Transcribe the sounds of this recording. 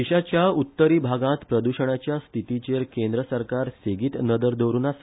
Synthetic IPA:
iɕat͡ɕjaut̪ːəɾiːbʱaɡãt̪pɾəd̪uɕəɳ̃at͡ɕjast̪ʰit̪it͡ɕeɾkẽnd̪ɾəsəɾkaɾseɡiːt̪nəd̪əɾd̪oʋɾuːnas

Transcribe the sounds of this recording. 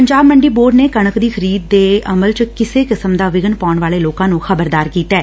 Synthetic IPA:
pəɲd͡ʒaːbməɳɖiːboːɾɖneːkəɳ̃əkd̪iːxʰəɾiːd̪̚ːeːəməlt͡ʃəkɪseːkɪsəmd̪aːʋɪɡənpaːʊɳʋaːleːloːkãːnũːxʰəbəɾd̪aːɾkiːt̪ɛː

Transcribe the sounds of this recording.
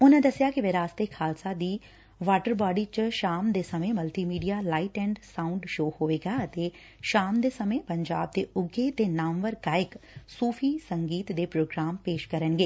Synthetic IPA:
ʊnãːd̪əsɪjaːkɪʋeɾaːst̪eːkʰaːlsaːd̪iː | ʋaːʈəɾbaːɖiːt͡ʃʃaːmd̪eːsəmẽːməlt̪iːmiːɖijaːlaːiʈɛ̃ːɳɖsãːʊɳɖʃoːhoːʋeːɡaːət̪eː | ʃaːmd̪eːsəmẽːpəɲd͡ʒaːb̚d̪eːʊɡeːt̪eːnaːmʋəɾɡaːɪksuːpʰiːsəŋɡiːt̪d̪eːpɾoːɡɾaːmpeːʃkəɾənɡeː

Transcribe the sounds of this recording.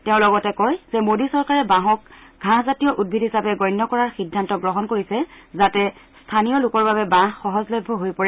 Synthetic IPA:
tɛʊ̃lɔɡɔtɛkɔjz̥ɛmodisɔɹkaɹɛbãɦɔk̚ɡʱãɦzatijɔʔud̚bʱidʱɦisapɛɡɔjnːɔkɔɹaɹxidʱːantɔɡɹɔɦɔnkoɹisɛzatɛstʰanijɔlʊkɔɹbabɛbãxɔɦɔzlɔbʱːɔɦojpɔɹɛ

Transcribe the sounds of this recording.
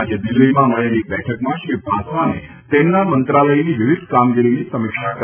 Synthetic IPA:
d͡ʑʱed̪iləimãməɭanik̚bɛʈʰəkmãɕibʱasanḛ | t̪enːamənt̪ɾaləiniʋiʋid̪ʱkamɡiɾinisəmikʂakə

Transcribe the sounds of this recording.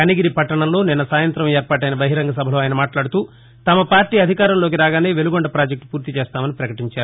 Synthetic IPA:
ɐniɡiɾipɐʈːɐɳɐmlo̞ːninːɐsaːjɐnt̪ɾɐmeːɾpaːʈ̬ɐjnɐbɐɦiɾɐŋɡʱɐsɐbʱɐlo̞ːaːjɐnɐmaːʈlaːɽut̪uː | t̪ɐmɐpaːɾʈiːɐd̪ʱikaːɾɐmloːk̬iɾaːɡaːneːʋeluɡɔɳɖɐpɾaːd͡ʒek̚ʈ̚puːɾt̪it͡ʃeːst̪aːmɐnipɾɐkɐʈiɲt͡ʃaːɾuu

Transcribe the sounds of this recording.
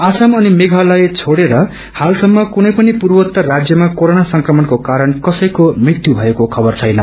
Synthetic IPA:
asamʌnimeɡʱalajt͡sʰoɽeɾʌ | halsʌmːʌkunʌjpʌnipurwʌt̪ːʌrad͡zjʌmakoɾonasʌŋkrʌmʌnkokaɾʌnkʌsʌjkomrit̪jubʱʌekokʰʌbʌrt͡sʰʌjnʌ

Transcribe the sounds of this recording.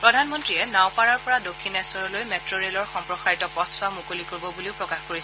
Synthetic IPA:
pɹɔdʱanmɔntɹiɛnãwpaɹaɹpɔɹadokʰːinɛsɔɹɔlojmetɹoɹelɔɹxɔmpɹɔxaɹitɔpɔtʰsʊamukolikoɹibɔbuliʊpɹɔkaxkoɹisɛ

